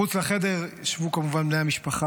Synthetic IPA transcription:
ut͡slaχede̞ʁʃvukamuvanbnejhamiʃpaχa

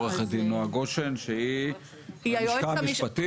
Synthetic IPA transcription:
eχed̪inoaɡoʃenʃei | akamipat̪i

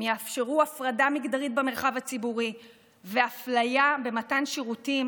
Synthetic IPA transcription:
jeafʃeʁuafʁadamiɡdaʁit̚beme̞ʁχavat͡sibuʁi | veaflajabe̞matanʃiʁutim

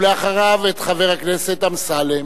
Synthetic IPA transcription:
leaχaʁavet̪χave̞ʁhakneset̪amsale

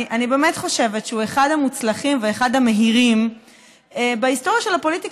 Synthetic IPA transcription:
ʔanibe̞ːme̞tχo̞ʃe̞vetʃeueχadhamut͡slaχimveːχadhameɦiʁim | ebaisto̞ʁjaʃe̞lhapo̞litik

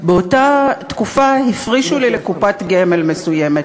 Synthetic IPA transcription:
beo̞tatkufahifʁiʃulilekupatɡeme̞lme̞sujemet

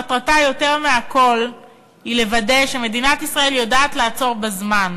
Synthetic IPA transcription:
atʁatajo̞te̞ʁmeako̞l | hile̞vade̞ʃeme̞dinatisʁae̞ljodaːtlaːt͡so̞ʁbazman

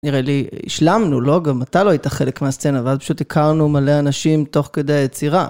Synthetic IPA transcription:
niʁe̞liḭʃlamnulo̞ɡamːat̪ajlo̞ajit̪aχe̞lekmeast͡senaveazpḁʃutikʰaʁnumale̞anaʃimto̞χke̞d̪eajet͡siʁa̰

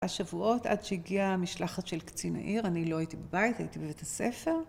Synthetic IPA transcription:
aʃavuo̞tʔa̰dʃeiɡiamiʃlaχatʃelkt͡sina̰ʔiʁanilo̞ajit̪ibebajitaitibevetasefe̞ʁ

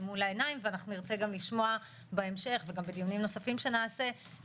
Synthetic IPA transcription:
mulaenaimveanaχnuniʁt͡se̞ɡamliʃmo̞a | beemʃe̞χveɡambed̪ijunimno̞safimʃe̞naːse̞

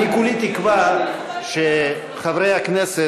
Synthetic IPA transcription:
ikulit̪ikva | ʃe | χavɾejaknese

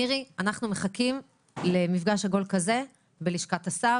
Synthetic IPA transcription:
iʁianaχnumeχakim | le̞mifɡaʃhaɡo̞lkaze̞ | beliʃkat̪asa

